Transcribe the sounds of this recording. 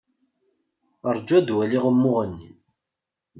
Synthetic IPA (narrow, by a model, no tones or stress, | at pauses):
əɾˤd͡ʒæd̪wæliʁəmːʊʁənːḭ